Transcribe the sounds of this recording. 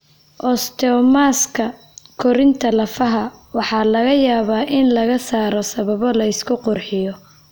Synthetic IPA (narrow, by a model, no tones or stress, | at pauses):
ʔɔst̪ʰɛmaːskʰɐ | kʰɔɾɪnt̪ʰɐlɐfɐɦɐwɑħɑːlɐɣɐjaːβaːʔɪnlɐɣɐsaːɾɔsɐβɐβɔlɐɪskʰʊqʊrħɪjɔ